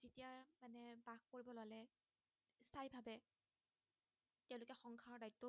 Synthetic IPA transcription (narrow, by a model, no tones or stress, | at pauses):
zitijamanɛbak̚koɹibɔlalɛ | stʰajbʱabɛ | tɛʊ̃lʊkɛxɔŋkʰaɔdajtːɔ